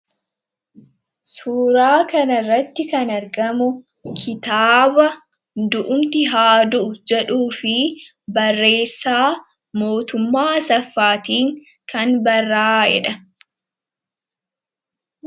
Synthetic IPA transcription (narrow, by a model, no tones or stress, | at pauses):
suːɾaːkɐnɐrːɐt̪ːɪkɐnɐɾɡɐmʊ | kʰɪt̪aːbɐ | d̪ʊʔʊmt̪ɪɦaːd̪ʊʔʊd͡ʒɛᶑuːfɪ | bɐrːe̞ːsːaː | mo̞ːt̪ʊmːaːsɐfːaːt̪iːŋ | kɐnbɐrːaːɛ̰ᶑɐ